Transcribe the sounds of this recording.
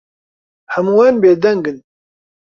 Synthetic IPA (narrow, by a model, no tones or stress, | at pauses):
hɐmuːwɛnbeːd̪ɛŋɡɨn